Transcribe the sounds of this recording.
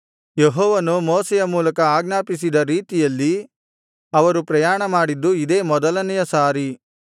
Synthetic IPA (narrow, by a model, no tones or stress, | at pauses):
jeɦɔːʋɐnumɔːsɛjɐmuːlɐkɐaːɡnaːpisid̪ɐɾiːt̪ijɐlːi | ɐʋɐɾupɾɐjaːɳɐmaːɽid̪ːuid̪e̞ːmɔd̪ɐlɐnɛjɐsaːɾi